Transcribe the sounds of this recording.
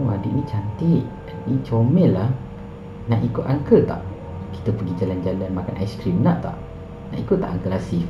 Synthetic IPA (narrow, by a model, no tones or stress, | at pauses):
wadiʔnĩt͡ʃant̪iʔ | nit͡ʃomɛlah | naʔikʊt̪aŋkət̪a̰ʔ | ki̥t̪əpəɡid͡ʒaland͡ʒalanmakanʔajskɾimnaʔt̪a̰ʔ | na̰ʔikʊtʔ̚t̪a̰ʔaŋkəlasif